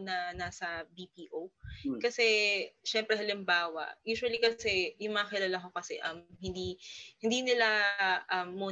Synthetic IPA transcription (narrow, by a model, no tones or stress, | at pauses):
nɐnaːsɐbipiːʔokɐsɛʃɛmpɾɛɦɐlɪmbaːwɐ̰ʔjuːʃʊɐlikɐsɛjʊŋmɐŋɐkɪlaːlakokɐsɛʔɐmhɪnd̪ihɪnd̪iːnɪlaʔɐmːuː